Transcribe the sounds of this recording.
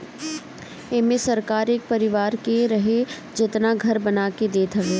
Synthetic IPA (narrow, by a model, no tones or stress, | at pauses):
eːmesɐɾkaːɾeːk̚pɐɾɪʋaːɾkeɾɐɦe | d͡ʒɪt̪naɡʱɐɾbɐnaːked̪eːt̪ʰɐɦeː